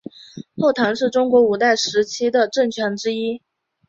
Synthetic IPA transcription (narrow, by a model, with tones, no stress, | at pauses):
xo˥˩ʊt̪ʰɑ˧˥ŋʂɻ̩˥˩ʈ͡ʂʊ˥ŋkwɔ˧˥u˨˩t̪a˥˩ɪʂɻ̩˧˥t͡ɕʰi˥d̪ə˨ʈ͡ʂə˥˩ŋt͡ɕʰɥɛ˧˥nʈ͡ʂɻ̩˥i˥